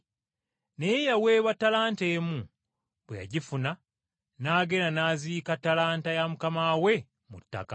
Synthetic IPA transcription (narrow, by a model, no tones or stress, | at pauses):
nejejawe̞ːβatːalaːnte̞ːmu | βweja̰ɟifuna | naːɡe̞ɾanaːziːkatːalaːntajamukamaːwe̞ | mṵtːa̰ka